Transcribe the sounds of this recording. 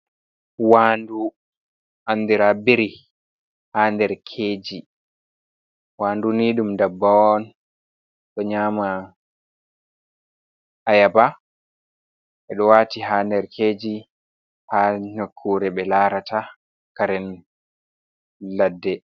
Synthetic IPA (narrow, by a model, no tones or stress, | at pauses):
waːndu | ʔanːdiɾabiɾi | handɛɾkʰeːd͡ʒi | waːnduniɗumdabːawɔn | ɗɔɲaːma | ʔajaba | ɛɗɔwaːtiɦaːndɛɾkʰeːd͡ʒi | haːɲokʰːuɾɛɓɛlaːɾata | kaɾɛn | ladːɛ